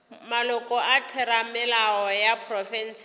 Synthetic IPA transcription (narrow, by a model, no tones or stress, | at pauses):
malʊkʼɔʔatʰɛɾamɪlaɔjapʰrɔfɛn̩s